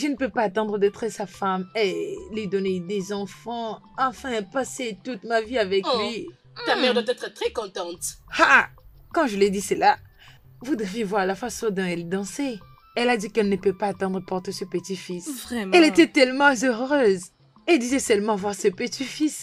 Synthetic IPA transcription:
ʒənəpøpaːt̪ɑ̃d̪ʁəd̪ɛt̪χəsafamɛlɥid̪ɔned̪ezɑ̃fɑ̃ | ɑ̃fɛ̃paset̪ut̪maviavɛklɥi | amɛʁd̪wat̪ɛt̪χət̪χɛkɔ̃t̪ɑ̃t̪ha | kɑ̃ʒəled̪isəla | vud̪əvjevwaʁlafasɔ̃d̪ɔ̃ɛlɛd̪ɑ̃se | ɛlad̪ikɛlnəpøpaːt̪ɑ̃d̪ʁəpɔʁt̪esəpət̪ifisvʁɛɛlet̪ɛt̪ɛlmɑ̃zøʁʁøz | ɛld̪izɛsœlmɑ̃vwaʁsəpət̪ifis

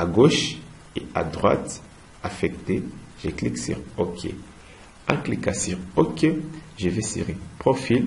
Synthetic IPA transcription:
aɡoʃ | ea̰d̪ʁwa̰t̪ | afɛkt̪eʒəkliksy̰ʁokʰḛ | ɛ̰̃klikasyʁokeʒəvɛsḭʁipχofil

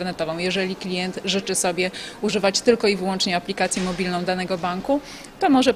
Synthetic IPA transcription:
ɾnɛt̪ɔvɔ̃w̃jɛʐɛlʲiklʲijɛnt̪ʐɘt͡ʂɘsɔbʲjɛuʐɘvat͡ɕt̪ɘlkɔivɘwɔnt͡ʂɲɛaplʲikat̪sʲjɛmɔbʲilnɔ̃w̃d̪anɛɡɔbaŋku | t̪ɔmɔʐɛ

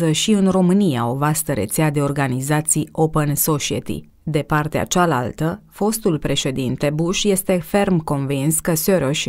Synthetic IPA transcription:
əʃiɨnro̞mɨnia̰o̞vast̪əɾe̞̰t̪sead̪e̞o̞rɡanizat̪sio̞pənso̞t͡ʃiḛt̪ḭ | d̪e̞part̪ea̰t͡ʃala̰lt̪əfo̞st̪ulpɾe̞ʃe̞d̪int̪e̞buʃje̞st̪e̞fe̞rmko̞nvinskəsøɾoʃʲ

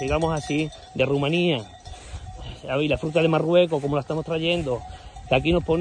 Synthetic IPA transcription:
iɣamosasi | d̪e̞rumãnia | aβilafɾut̪aðemarwe̞koko̞molaest̪amo̞st̪ɾaʝe̞nd̪okakino̞hpon

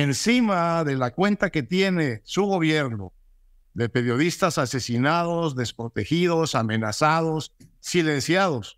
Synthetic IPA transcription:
ensimaðe̞lakwe̞nt̪ake̞t̪je̞ne̞suɣo̞βje̞ɾno̞̰ | ðe̞pe̞ɾjo̞ðist̪asase̞sinaðo̞zðe̞spɾo̞t̪e̞xiðo̞same̞nasaðo̞sːile̞nsjaðo̞s

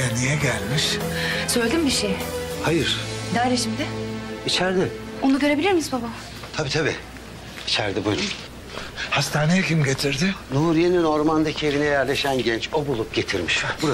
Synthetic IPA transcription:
ɛnijɛɟælʲmiʃsølʲd̪imbiʃejhajɯɾ̥d̪aːɾeʃimd̪ɪit͡ʃʰæɾd̪ɪ | onuɟø̞ɾe̞bilʲiɾmizbaba | t̪ʰabiːt̪ʰabḭ | it͡ʃʰæɾd̪ibujɾun | hast̪ʰaːnejɛcimɟe̞t̪ʰiɾd̪ɪnuːɾijenino̞ɾmand̪acʰie̞vinɛjæɾlʲe̞ʃænɟɛnt͡ʃʰo̞bulˠup̚ɟe̞t̪ʰiɾmiʃbuɾa

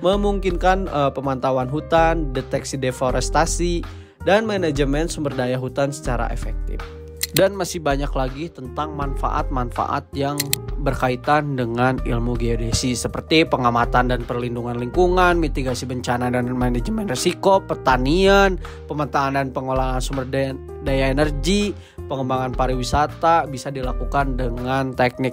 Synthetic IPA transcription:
məmuŋkinkanəpəmant̪awanɦut̪andɛt̪ɛksidefoɾɛst̪asi | danmɛnad͡ʒəmɛnt̪səmbərdajaɦut̪ansə̥t͡ʃaɾa̰ʔḛfɛ̰k̚t̪ɪ̰f | danmasɪhbaɲaklaɡit̪ənt̪aŋmanfa̰ʔa̰t̪̚manfa̰ʔa̰t̪̚jaŋbərkait̪andəŋanḭlmuɡiodisisəpərt̪ipəŋamat̪andanpərlinduŋanliŋkuŋanmit̪iɡasibəɲt͡ʃanadanmanɛd͡ʒəmɛnresikopərt̪anian | pəmat̪aːndanpəŋolaŋansumbərd | dajaenərɡi | pəŋəmbaŋanpaɾiwisat̪abisadilakukandəŋant̪ɛk̚nɪk̚

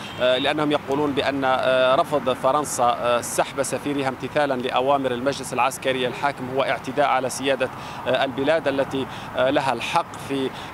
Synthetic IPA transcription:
lɪʔanːahʊmjɑquːluːnbɪʔanːaɾˤɑfd̪ˤfɑɾˤɑnsasːaħbasafiːɾɪhamt̪ɪθaːlanlɪʔawaːmɪɾalmaʒlɪsalʕaskaɾɪjːalħaːkɪmhʊwːaʔɪʕt̪ɪd̪aːʔʕalasɪjaːd̪a | ʔalbɪlaːd̪ʔalːat̪i | laɦalħɑqːfi

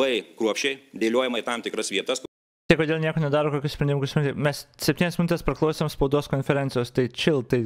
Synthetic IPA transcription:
ɐɪkɾuɔpʲʃʲt͡ʃʲɛɪd̪ʲeːlʲuɔjɛmɐt̪ɑmt̪ʲɪkɾɐsʋʲiɛt̪ɐs | t̪ɐɪkoːd̪ʲeːlˠnʲiɛkoːnʲɛd̪ɑːɾoːkoːkʲusʲpɾʲɛnd̪ʲɪmʊkʊsmʲnt̪ʲɪmʲɛssʲɛpʲt̪ʲinʲɛsmʲɪnʊt̪ʲɛspɾɐklˠɒʊsʲeːmspɐʊd̪oːskonʲfʲɛɾʲɛnʲt̪ʲɪjoːst̪ɐɪt͡ʃʲɪlˠt̪ɐɪ

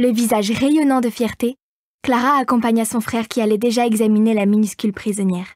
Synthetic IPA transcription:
ləvizaʒʁejɔnɑ̃d̪əfjɛʁt̪e | klaʁaːkɔ̃paɲasɔ̃fχɛʁkʲialɛd̪eʒaɛɡzaminelaminyskʲylpχizɔnjɛːʁ

